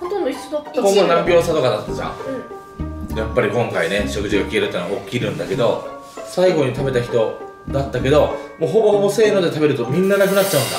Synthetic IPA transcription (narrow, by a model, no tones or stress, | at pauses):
t̪onookomonãmpʲo̞ːsat̪o̞kad̪at̪ːasa̰ | japːaɾʲikõ̞ŋkaine̞ɕo̞kɯ̟ʑiɡakʲie̞ɾɯt̪ːeːnaokʲːiːɾɯ̟̃nd̪ake̞d̪o̞ | saiɡo̞ɲ̟it̪abe̞t̪açi̥t̪o̞ | d̪at̪ːake̞d̪o̞moɦo̞bo̞hobo̞se̞ːno̞d̪e̞t̪abe̞ɾɯ̟t̪o̞mʲĩnːanakɯnat̚ːt͡ɕaɯ̟̃nd̪a̰